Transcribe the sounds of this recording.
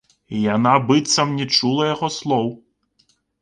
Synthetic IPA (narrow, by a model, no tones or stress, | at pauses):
jɐnabɪt̪sɐmnʲit͡ʃulˠɐjɐɣɔslˠɔw